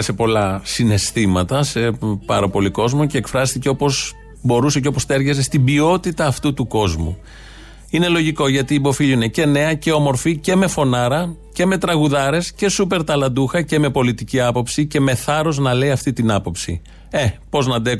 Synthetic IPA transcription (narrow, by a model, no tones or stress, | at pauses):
se̞po̞lɐsine̞st̪imɐt̪ɐsepɐɾo̞po̞liko̞zmoce̞ːkfɾɐst̪iceo̞po̞z | bo̞ɾuse̞ceo̞po̞st̪e̞ɾʝɐze̞st̪ibio̞t̪it̪ɐːft̪ut̪uko̞zmṵ | ine̞lo̞ʝiko̞ʝɐt̪iːbo̞fiʎine̞ce̞ne̞ɐce̞o̞mo̞ɾfice̞me̞fo̞nɐɾɐ | ce̞me̞t̪ɾɐɣuðɐɾe̞sce̞supe̞ɾt̪ɐlɐnd̪uxɐce̞me̞po̞lit̪iciɐpo̞psice̞me̞θɐɾo̞znɐle̞iɐft̪it̪inɐpo̞psḭ | e̞po̞znɐd̪e